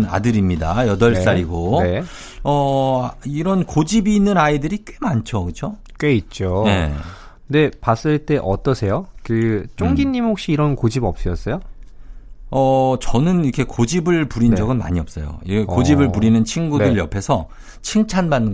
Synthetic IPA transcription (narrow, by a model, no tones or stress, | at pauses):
na̰dɯɾimɲidajʌdʌɭs͈aɾiɡone̞ | ʌ | iɾʌnkod͡ʑibiːnːɯnaidɯɾik͈e̞mant͡ɕʰokɯt͡ɕʰo | k͈e̞it̚t͡ɕ͈oje | de̞pas͈ɯɭt͈e̞ʔʌ̰t͈ʌsʰe̞jokɯt͡ɕ͈oŋɡiɲːimhok̚ɕ͈iːɾʌnkod͡ʑibʌp̚s͈ɯjʌs͈ʌjo | ʌt͡ɕʌnɯnikʰe̞kod͡ʑibɯɭpuɾind͡ʑʌɡɯnma̰ɲiʌp̚s͈ʌjo̰iekod͡ʑibɯɭpuɾinɯnt͡ɕʰiŋɡudɯɭjʌpʰe̞sʰʌ | t͡ɕʰiŋt͡ɕʰanbanːɯ